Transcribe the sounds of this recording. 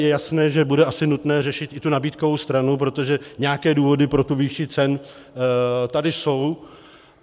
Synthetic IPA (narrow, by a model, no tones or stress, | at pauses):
jɛjasnɛːʒɛbudɛʔasɪnut̪nɛːrɛʃɪt̪ʔɪt̪unabiːt̪ko̞vo̞wst̪ɾanup̬ɾo̞t̪o̞ʒɛɲɛakɛːduːvo̞dɪpɾo̞t̪uvɪʃɪt͡sɛn | t̪adɪso̞w